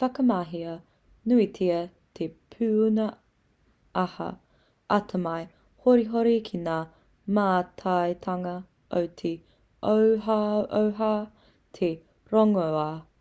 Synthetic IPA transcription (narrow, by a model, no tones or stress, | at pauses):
fɐkɐmaɦiɐ | nuitʰiɐ | t̪ʰepʰʉnɐ | ɐhɐ̰ | ʔɐtʰɐmɐj | hoɾiɦoɾikʰinaː | maːtʰɐjt̪ʰɐŋɐ | ʔowt̪ʰe | o | ʔowɦaː | t̪ʰe | ɾoŋoa